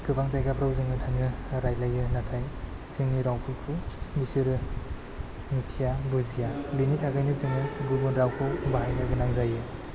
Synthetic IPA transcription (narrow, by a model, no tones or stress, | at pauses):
ɡɯbaŋzajɡapʰɾawzɯŋɯtʰaŋnɯɾajlajɯnatʰaj | zɯŋniɾawpʰulpʰumisiɾɯ | mitʰijabuzijabinitʰaɡajnɯzɯŋɯɡubɔnɾawkʰɔwbaɦajnaɡɯnaŋzajɯ